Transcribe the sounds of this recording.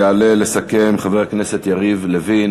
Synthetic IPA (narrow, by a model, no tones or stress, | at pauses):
ale̞le̞sake̞mχaveʁknese̞t̪jaʁivlevi